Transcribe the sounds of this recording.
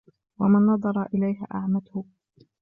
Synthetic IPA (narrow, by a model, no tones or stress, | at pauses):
wa̰manːɑd̪ˤɑɾˤɑʔɪlajɦa̰ʔaʕmat̪hʊ